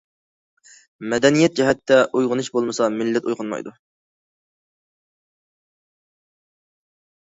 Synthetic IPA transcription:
mɛd̪ɛnijɛt̪̚d͡ʒɛɦɛt̪ːɛʔujʁʊnɨʃbolˠmɨsɑmɪlːɛt̪ṵjʁʊnmɑ̰jd̪u

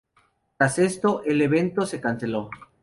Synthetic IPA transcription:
t̪ɾase̞st̪o̞ʔele̞βe̞nt̪o̞se̞kanse̞lo̞

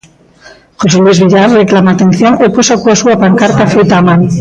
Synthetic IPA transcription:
xoselwizβiʎaɾreklamaːt̪ẽn̟θjoŋeposakuasuapaŋkaɾt̪afejt̪aːmãŋ

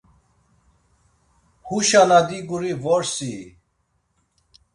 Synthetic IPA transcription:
huɕanad̪iɡuɾivoɾsi

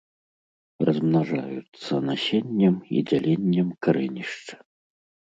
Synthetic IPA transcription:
rɐzmnaʐa̰jut̪sɐnasʲenʲːɛmḭd͡zʲalʲenʲːɛmkaɾɛnʲiʂt͡ʂɐ̥

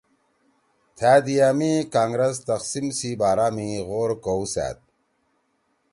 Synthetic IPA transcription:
t̪ʰaːd̪ijaːmikaːŋɡɾest̪ɐqsimsibaːɾaːmiɣoːɾkousæ̰ːt̪̚

